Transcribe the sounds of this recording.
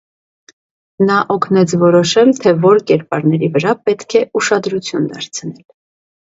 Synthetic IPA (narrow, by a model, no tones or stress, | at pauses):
nɑʔɔkʰnɛt͡sʰvɔɾɔʃɛlt̪ʰɛvɔɾkɛɾpɑɾnɛɾivəɾɑpɛt̪kʰɛuʃɑd̪ɾut͡sʰjund̪ɑɾt͡sʰnɛl